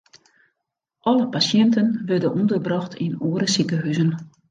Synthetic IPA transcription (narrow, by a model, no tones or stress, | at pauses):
ʔɔləpasjɛntənʋørdənʔundərbrɔxtʰinoːəɾəsikəɦyzən